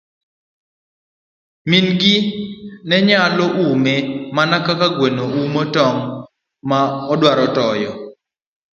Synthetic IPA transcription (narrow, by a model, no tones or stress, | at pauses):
minɡɪnɛɲaloʔumemanakakaɡwenoumotɔŋ | maɔdwaɾɔtɔjɔ